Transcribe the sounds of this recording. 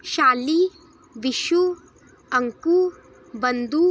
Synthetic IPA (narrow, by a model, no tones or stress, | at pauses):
ʃaːli | ʋiʃu | ɐŋku | bɐnd̪u